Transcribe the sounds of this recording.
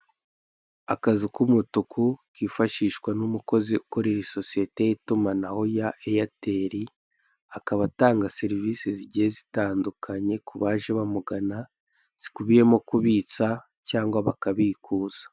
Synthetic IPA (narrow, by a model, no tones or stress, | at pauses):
akazikumutukʰukiːfaʃiːʃkwanumuko̞ziuko̞ɾeɾiso̞sije̞te̞jitumanaho̞jaejate̞ɾi | akaβataːŋɡase̞ɾiviːseziɟijezitaːndukʰaɲe̞kuβaʒeβamuɡana | z̥ikuβije̞mo̞kuβiːt͡sa | caːŋɡwaβakaβiːkʰuːz̥ḁ